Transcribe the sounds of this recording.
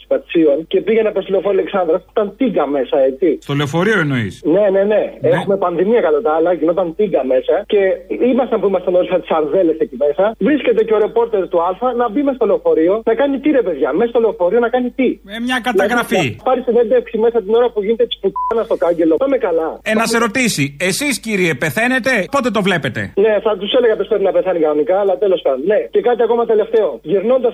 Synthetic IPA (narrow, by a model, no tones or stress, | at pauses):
si̥pɐt̪i̥sio̞nce̞piʝenɐpesileofoɾiɐleksɐnd̪ɾɐsi̥t̪ɐnt̪iɡɐme̞sɐe̞t͡sist̪oleofoɾioenoḭsne̞ne̞ne̞exume̞pɐnðimiɐkɐlot̪ɐɐlɐʝino̞t̪ɐnt̪iɡɐme̞sɐce̞imɐst̪ɐmpuimɐst̪enolsɐt̪i̥sɐɾðe̞le̞secime̞sɐvɾisce̞t̪e̞ceo̞ɾepo̞ɾt̪e̞ɾt̪uɐlfɐnɐbimesɐst̪ole̞ofo̞ɾio̞nɐkɐnit̪iɾe̞pe̞ðʝɐmesɐst̪o̞leofo̞ɾio̞nɐkɐnit̪imemɲɐkɐt̪ɐɣɾɐfipɐɾist̪ine̞nd̪eksime̞sɐt̪ino̞ɾɐpuʝinet̪et̪i̥sput̪ɐnɐst̪o̞kɐɲɟe̞lo̞pɐmekɐlɐenɐseɾo̞t̪isiesisciɾiepeθe̞ne̞t̪e̞po̞t̪et̪o̞vle̞pet̪e̞̰ne̞θɐt̪use̞leɣɐpospɾepinɐpeθɐnikɐno̞nikɐːlɐt̪e̞lo̞spɐnne̞ce̞kɐt̪iɐko̞mɐt̪e̞le̞ft̪e̞o̞ʝiɾno̞nd̪ɐs